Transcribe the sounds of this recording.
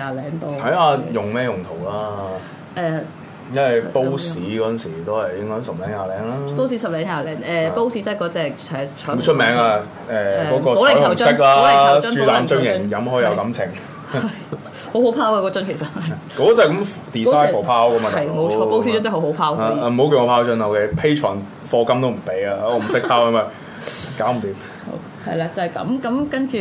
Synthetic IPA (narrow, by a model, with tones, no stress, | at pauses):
aː˨˩lɛː˨˥ŋt̪o˧wt̪ʰɐ˨˦˥jaː˧jʊ˨˩ŋmɛː˥jʊ˨˩ŋt̪ʰo˨˩wlaː˥ | ʔɛː˨ | jɐ˥nwɐ˨jpo˥wsiː˨˥kɔː˨˥˨nsiː˨˩t̪o˥whɐ˨jɪ˥ŋɔː˥nsɐ˨p̚lɛː˨˥ŋjaː˨lɛː˨˥ŋlaː˥po˥wsiː˨˥sɐ˨p̚lɛː˨˥ŋjaː˨˩lɛː˨˥ŋʔɛː˨po˥wsi˨˥t͡sɐ˥kɔː˨˥t͡sɛː˨k̚ʰ | ɛ˨˩sʰɔ˥o˨˧wt͡ʃʰɵ˥t̚mɛː˨˥ŋaː˧ | ɛː˨˩kɔː˨˥kɔː˧o˨slɪ˨˥ɐ˨˩sɪ˥k̚laː˧˨˥t͡ʃyː˥laː˨˧mt͡ʃœ˥ŋjɪ˨ŋjɐ˨˥mɦɔː˨˥˨jɐ˨˧wkɐ˨˧˥mt͡sʰɪ˨˩ŋ | ɐj | ho˨˥who˨˧˥wpʰaː˥wka˧kɔː˧t͡ʃɐ˥nkʰe˨˩sɐ˨t̚hɐ˨˩ | kɔː˨˥˨t͡sa˨˩kɐ˨˥m | t̪iː˨saː˥jʰo˨˩pʰaː˥wkɐ˨˥maː˧ɐ˨jmo˨˧wt͡ʃʰɔː˧po˥wsi˧˥t͡ʃə˥nt̪ɐ˥ho˨˥ho˨˥wpʰaː˥wa˧m̩˨˩ho˨˥wkːŋɔ˨˧pʰaː˥wt͡ʃœ˥na˨˧ke˨˧˩pʰe˥jt͡ʃʰɔ̰ː˨˩n | fɔː˧kɐ˥mt̪o˥wm̩˨˩pe˨˥jaː˧˨˧m̩˨˩sɪ˥k̚pʰaː˥wɐ˧maː˨˩ | kaː˨˥wm̩˨˩t̪iː˨˥m | ho̰˧˥ | hɐ̰˨jlaː˧t͡sɐ˨˩kɐ̰˨˧mkɐ˨˧˥mkɐ˥nt͡ʃyː˨